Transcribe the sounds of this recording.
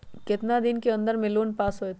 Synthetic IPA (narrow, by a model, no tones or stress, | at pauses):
kɪt̪nad̪ɪnkeɐ̃nd̪əɾmẽloːnpaːsɦoet̪